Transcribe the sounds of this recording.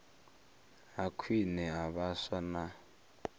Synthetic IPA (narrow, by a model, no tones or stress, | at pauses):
akʰwinɛaβaswana